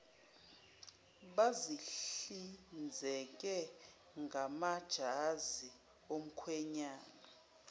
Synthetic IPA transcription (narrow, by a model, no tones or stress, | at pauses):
ɓaziɬind͡zʱɛk̬ʼɛ | ŋɡʱamad̥ʒ̥ʱazi | om̩kʰwɛɲaːna